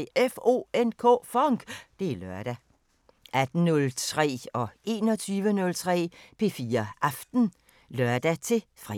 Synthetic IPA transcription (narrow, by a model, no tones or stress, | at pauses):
efo̝̰ːenkʰɔ̰ːfɒŋɡ̥d̥e̝æløɐ̰ɾ̥æ | ʔæd̥n̩nɔlt͡sʰʁɛ̰ːɒ̽e̝ːnɒ̽t͡sʰyːʋənɔ̽lt͡sʰʁɛ̰ːpʰe̝fiːɐʔɑ̈fd̥n̩ | lɶɐd̥æt͡sʰe̝fʁḭ